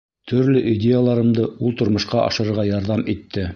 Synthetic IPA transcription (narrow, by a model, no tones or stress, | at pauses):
t̪ʰɵ̆ɾlɵʔidʲejalˠɑɾɤ̆md̪ɤulˠt̪ŏɾmɤ̆ʃqɑʔɑ̰ʃɤ̆ɾɤ̆ɾʁɑjɑɾðɑmit̪ːɘ